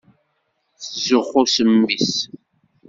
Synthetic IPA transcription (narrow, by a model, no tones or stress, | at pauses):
θəzʊχʊsəmːis